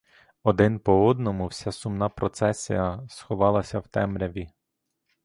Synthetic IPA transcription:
ɔd̪ɪnpɔɔd̪nɔmʊwsʲasʊmnɑpɾɔt̪sɛsʲḭjɐsxɔʋɑlˠɐsʲɐwt̪ɛmɾʲɐʋʲi

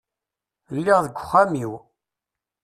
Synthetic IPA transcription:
lːiʁðəɡʷːʊχːamiw

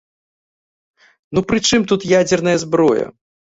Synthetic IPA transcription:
nupɾɨt͡ʂɨmt̪ut̪jad͡zʲɛrnɐjɐzbɾɔjɐ̰

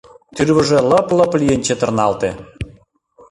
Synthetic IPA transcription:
t̪yrβə̆ʒĕləplə̆plijenʲt͡ɕet̪ə̆rnɑlt̪e

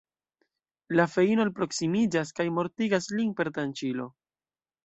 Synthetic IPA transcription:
lafe̞ino̞lpɾo̞ksimid͡ʒaskajmo̞ɾtiɡaslinpe̞ɾtant͡ʃilo̞

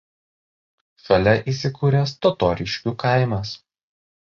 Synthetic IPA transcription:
fʲɛlʲɛʔiːsʲɪkuːɾʲɛst̪ɔt̪ɔːɾʲɪʃʲkʲukɑˑɪmɐs

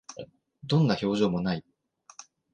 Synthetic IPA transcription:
d̪õ̞nːaço̞ːʑo̞ːmonai

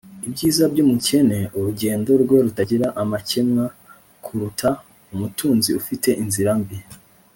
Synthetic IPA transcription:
ibɟiːzabɟuːmuce̞ne̞uɾuɟe̞ːndo̞ɾɡwe̞ɾutaɟiɾaʔamace̞mŋa | kʰuɾutʰa | umutuːnziufite̞ʔinziɾambi

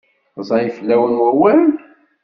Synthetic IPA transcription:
zˤɑjflːæwənwæwæl

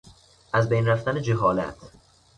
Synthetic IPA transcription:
ʔæzbejnræft̪æned͡ʒeɦɒːlæ̰t̪ʰ

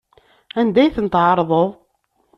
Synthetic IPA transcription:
ænd̪æjθənt̪ʕɑɾˤðˤoðˤ

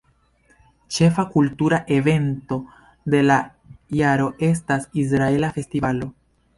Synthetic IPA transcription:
t͡ʃe̞fakultuɾaʔe̞ve̞nto̞ | de̞la | jaɾo̞ʔe̞s̬tasis̬ɾae̞lafe̞stivalo̞

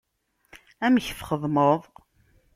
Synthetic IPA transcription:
æmçfχəðˤməðˤ

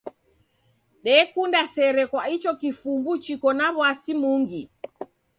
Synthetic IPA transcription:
ɗɛkundasɛɾɛkwait͡ʃɔkifumbut͡ʃikɔnaβwasimuŋɡi

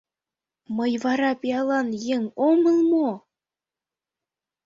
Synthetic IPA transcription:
məjβɑɾɑpiɑlˠɑnjeŋomɤ̆lˠmo

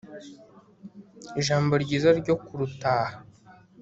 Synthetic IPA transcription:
iʒaːmbo̞ɾɟiːzaɾɟo̞kuɾutaːhḁ

